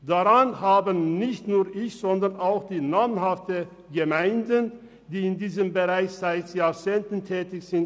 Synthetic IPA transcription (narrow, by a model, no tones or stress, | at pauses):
d̥aʁanhaːbənːɪçtnuːɐʔɪçz̥ɔndɐʁnaʊxd̥iːnaːmənɦaftə | ɡəmaɪndən | d̥iːɪndiːzəmbəʁaɪçz̥aɪtjaːɐt͡seːntn̩tʰɛːtɪçz̥ɪnt